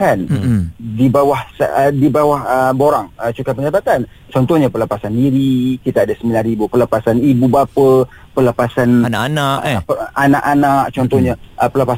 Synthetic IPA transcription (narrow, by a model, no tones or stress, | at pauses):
andibawahsdibawahəboɾaŋət͡ʃukapəd͡ʒabat̪an | t͡ʃɔnt̪ɔhɲapərləpasandiɾikit̪aːdasəmilanɾibupərləpasanibubapə | pələpasannaʔanapəanaʔanaʔ̚t͡ʃɔnt̪ɔhɲaʔpələpa